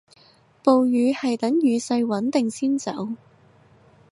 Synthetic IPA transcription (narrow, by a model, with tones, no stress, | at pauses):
po˨wjyː˨˧hɐ˨jt̪ɐ˨˥ŋjyː˨˧sɐ˧jwɐ˨˥nt̪ɪ˨ŋsiː˥nt͡sɐ̰˨˥w